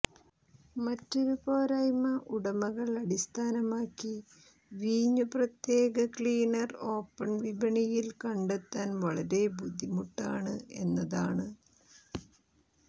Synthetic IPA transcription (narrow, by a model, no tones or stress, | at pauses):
mɐtːoɾuboːɾɐjmɐʔuɽɐmɐɣɐɭɐɽist̪ʰaːnɐmaːkːi | ʋiːɲːuprɐt̪jeːɡɐkɭiːnɐro̞ːpːɐɳʋibʱɐɳijilkɐɳɖet̪ːaːnʋɐɭɐɾe̞bud̪ʱːimuʈːaːɳɨe̞nːɐðaːɳɨ